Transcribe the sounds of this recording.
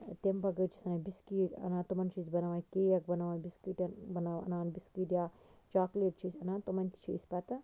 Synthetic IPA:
t̪embɐɡɐt͡ʃʰi̥sɐnɐbiskiːʈɐ̰nat̪umɐnt͡ʃʰizbɐnɐʋaːnkeːjɐkbɐnɐʋaːnbiskiʈɐbɐnaʋɐ̰naːnbiskiːʈjaː | t͡ʃaːkleːʈt͡ʃʰisʲɐnat̪umɐnʲt̪i̥t͡ʃʰisʲpɐt̪ɨ

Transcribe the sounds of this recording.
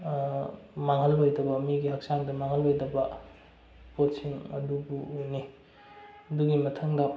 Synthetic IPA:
maŋɦɐlojdɐbɐmiɡiɦɐk̚saŋdɐmaŋɦɐlojdɐbɐ | pot̚siŋɐ̰dubuojni | ɐduɡimɐtʰɐŋdɐ

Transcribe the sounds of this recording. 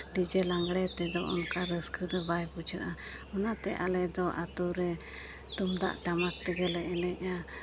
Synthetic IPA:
ɖid͡ʒɛlaŋɡɽɛt̪ɛd̪ɔʔɔ̰nkaɾəskəd̪ɔbajput͡ʃʰəʔaɔnat̪ɛʔalɛd̪ɔʔat̪uɾɛ | t̪umd̪a̰ʔʈamat̪t̪əɡəlɛʔɛnɛc̚ˀa

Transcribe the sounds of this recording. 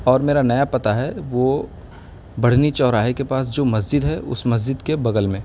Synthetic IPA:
ɔːɾmeːɾanɐjapɐt̪aɦɛʋo | bɐɽ̤nit͡ʃɔːɾaːɦikepaːs̬d͡ʒoːmɐzd͡ʒɪd̪ɦɛʔʊ̰smɐz̬d͡ʒɪd̪kebɐɡəlmẽː

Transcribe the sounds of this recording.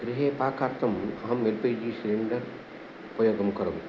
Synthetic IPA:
ɡɾɪɦeːpaːkʰːaːɾt̪ɐmɐɦɐmelpɐjd͡ʒiːsiliɳɖɐɾ | upɐjoːɡɐmkɐɾɐm

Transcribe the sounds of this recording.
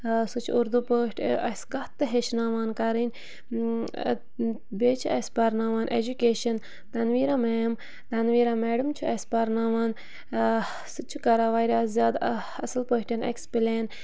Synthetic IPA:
sut͡ʃʰuuɾd̪upəːʈʰɐskɐht̪ːɨɦeʃnaːʋaːnkaɾin | beːt͡ʃʰiɐspɐɾnaːʋaːnʔḛd͡ʒukeːʃɐn | t̪ɐnʋiːɾameːm | t̪ɐnʋiːɾameːɖɐmt͡ʃʰuɐspɐɾnaːʋaːn | sut͡ʃʰukaɾaːʋaːiɾʲaːszʲjaːd̪ | ɐsɐlpəːʃʈʲɐnḛkspileːn

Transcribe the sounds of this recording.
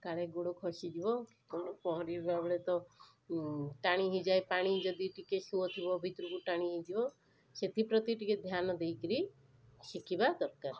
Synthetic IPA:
kaɭeɡoɽukʰɔsid͡ʒ̪ibɔki̥kɔñɔpɔɦɔɾibbabɭet̪ɔ | ʈaɽ̃iɦid͡ʒajpaɽ̃id͡ʒɔd̪iʈikesuɔt̪ʰibɔbʱit̪ɾukuʈaɽ̃iɦid͡ʒibɔ | set̪ʰipɾɔt̪iʈiked̪ʱjanɔd̪ejkɾi | ʃikibad̪ɔtkaɾ

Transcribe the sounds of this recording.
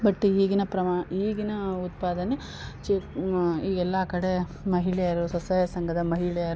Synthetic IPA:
bɐʈːiːɡinɐpɾɐmaiːɡinɐut̪̚paːd̪ɐne | t͡ʃe | iːɡɛlːɐːkɐɽe | mɐɦiɭɛjɐɾusɐsɐːjɐsɐŋɡʱɐd̪ɐmɐɦiɭɛjɐɾ

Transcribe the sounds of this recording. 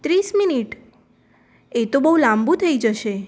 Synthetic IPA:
t̪ɾisminiʈ | et̪obəɦulãmbut̪ʰəid͡ʒəʃe

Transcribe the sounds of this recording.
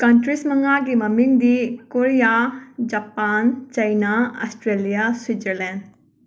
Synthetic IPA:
kɐnʈɾismɐŋaɡimɐmind̪ikoɾijad͡ʒapaːnt͡ʃɐjnaɐ̰sʈɾelijaswid͡ʒəɾlɛ̃nd

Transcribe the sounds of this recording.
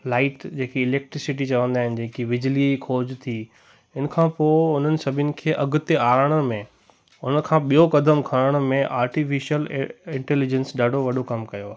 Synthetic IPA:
laːɪʈd͡ʑeːkiɪleːk̚ʈɾɪsɪʈit͡ɕɐʋə̃nd̪aːɦɪnɪ̆d͡ʑẽːkiʋɪd͡ʑlikʰoːd͡ʑt̪ʰi | ɪnəkʰãːpoːʊn̤ənɪ̆sɐbʱɪnɪ̆kʰeːʔɐɡʊt̪eaːɾəɽ̃əmẽ | ʊnəkʰãːɓijokɐd̪əmkʰɐɾəɽ̃ʊmẽʔaːɾʈifiʃiəlɪ̃ɳʈɛːlid͡ʑə̃nsɖaːɖʱoʋɐɖʱokɐmkɐjoaːɦe

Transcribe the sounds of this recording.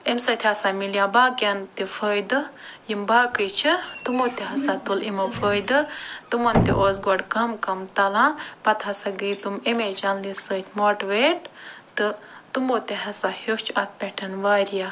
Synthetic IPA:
emsɐt̪ʰʲhɐsamiljãbaːkʲɐnt̪ifʰəːjd̪ɨjimbaːkət͡ʃʰit̪umoːt̪iɦɐsat̪ulimɐfʰəːjd̪ɨt̪umɐnt̪ḭʔoːzɡoɖkɐmkɐmt̪ɐlãːnpɐt̪ʰɐsaɡəjt̪umemed͡ʒɐnlisət̪ʰʲmoʈʋeʈt̪ɨt̪umoːt̪eɦɐsahikt͡ʃʰɐt̪̚ʰpʲeʈʰɐnʋaːɾija

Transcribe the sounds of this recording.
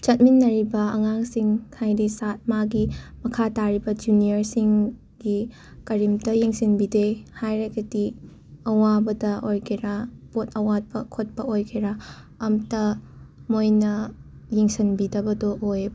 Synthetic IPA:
t͡ʃɐt̚minːɐɾibɐɐŋaŋsiŋkʰajdisat̚maɡimɐkʰataɾibɐd͡ʒunijɐɾsiŋ | ɡi | kɐɾimtɐjiŋsinbidehajɾaɡɐdi | ɐwabɐdɐʔojkʰeɾapotʰɐwat̚pɐkʰot̚pɐojkʰeɾa | ɐmtɐ | mojnɐ | jiŋsɐnbidɐbɐdoʔojb

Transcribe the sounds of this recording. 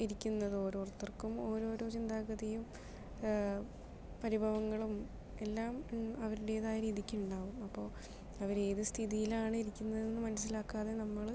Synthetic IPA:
iɾikʲːunːɐðɨo̞ːɾo̞ːrt̪ːɐrkumoːɾo̞ːɾo̞ːt͡ɕind̪aːkɐðɐjum | pɐɾibʱɐʋɐŋːɐɭum | e̞lːaːmɐʋɐɾuɽe̞ːðaːjɐɾiːd̪ikʲːiuɳɖaːʋumɐpːo̞ː | ɐʋɐɾe̞ːðɨst̪ʰiðijilaːɳɨiɾikʲːunːɐðinːɨmɐnɐs̬ːilaːkːaːðe̞nɐmːɐɭ

